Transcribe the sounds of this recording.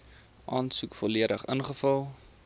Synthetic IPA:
ʔɑːnsukfɔliəɾəχə̰nχəfɐlˠ

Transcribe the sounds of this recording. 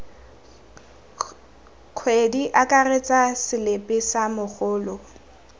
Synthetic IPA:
kʰwediʔakʼaret͡sʼasɪlepʼɪsamʊk͡xʊːlɔ

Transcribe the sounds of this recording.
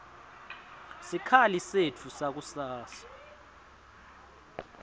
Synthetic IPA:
sikʰalisetʰusak̬usaːsḁ

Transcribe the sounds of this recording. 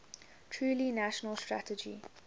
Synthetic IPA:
tʰɹuːlinaʃənəlˠstɹa̰təd͡ʒḭ

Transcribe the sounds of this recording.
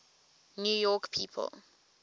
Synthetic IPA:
njuːjɔkpʰiːpʰə̰l

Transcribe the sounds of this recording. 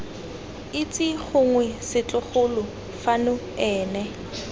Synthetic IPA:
ɪt͡sʼɪχʊŋwɛsɪt͡ɬʼʊχʊlʊ | fanʊ | ɛːnɛ

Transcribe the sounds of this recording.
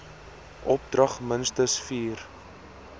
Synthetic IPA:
ʔɔp̚drɐχmənstəsfiːr

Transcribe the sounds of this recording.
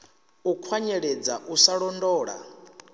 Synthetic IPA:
ukʰwaɲɛɺed͡zaʔusaɺɔndɔːɺa̰

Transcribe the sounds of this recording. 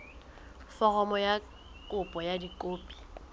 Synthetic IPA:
fɔrɔmɔja | kʼʊpʼɔjadikʼoːpʼi̥

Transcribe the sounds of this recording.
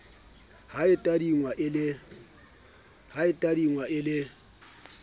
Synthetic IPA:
haɪtʼadiŋwaʔɪlɪ | haɪtʼadiŋwaɪlɪ

